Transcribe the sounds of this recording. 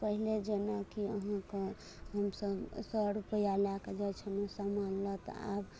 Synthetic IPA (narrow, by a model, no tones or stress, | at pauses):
pəɦiled͡ʒenakiəɦãke | ɦəmsəbsəɾupəjalaked͡ʒɛt͡ʃʰənesamanlət̪a̰b